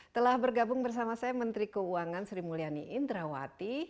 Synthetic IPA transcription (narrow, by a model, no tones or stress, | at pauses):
t̪əlahbərɡabʊŋbərs̬amasajamənt̪ɾikəuaŋansɾimulianḭʔɪnd̪ɾawa̰t̪i